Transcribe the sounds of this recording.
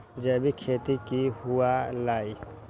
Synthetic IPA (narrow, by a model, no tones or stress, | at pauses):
d͡ʒəbikʰeːt̪ikiɦualaːi